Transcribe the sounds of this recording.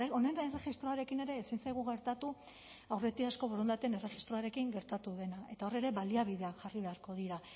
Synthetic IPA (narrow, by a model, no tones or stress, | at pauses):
one̞nere̞xist̪ɾo̞aɾe̞kine̞ɾe̞ːsinsajɣ̞uɣe̞ɾt̪at̪u | awre̞t̪iasko̞βoɾo̞nd̪at̪ene̞re̞xist̪ɾo̞aɾe̞kiŋɡe̞ɾt̪at̪uðe̞nae̞t̪ao̞re̞ɾe̞βaliaβið̞e̞akʝariβe̞aɾko̞ðiɾa